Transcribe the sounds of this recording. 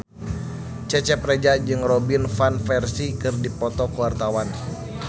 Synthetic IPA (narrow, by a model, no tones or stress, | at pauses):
t͡ʃɛt͡ʃɛprɛd͡ʒad͡ʒɨŋrɔbinfanfɛrsikɨrdipɔt̪ɔkuwart̪awan